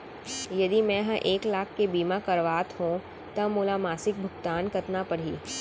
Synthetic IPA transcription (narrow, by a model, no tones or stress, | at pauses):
jɐd̪imɛ̃ɦɐ̃ʔeːklaːkʰːebiːmakɐɾʋaːt̪ɦũ | t̪ɐmoːlamaːsɪk̚bʱʊɡt̪aːnkɐt̪napɐɽ̤ḭː